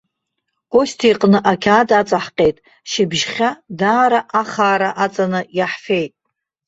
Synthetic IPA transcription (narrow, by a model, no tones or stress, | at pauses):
ostʰijqʼnɨʔakʲʰaːdat͡sʼaħqʲʼe̞jtʼ | ʃɪbʒχʲadaːɾaʔaχaːɾaʔat͡sʼanɨjaħfe̞jtʼ